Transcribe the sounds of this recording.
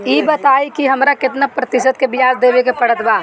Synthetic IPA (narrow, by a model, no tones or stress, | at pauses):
iːbɐt̪aːikiɦɐmɾakɪt̪napɾɐt̪ɪsət̪̚kebɪjaːzd̪eːbekepɐɽət̪baː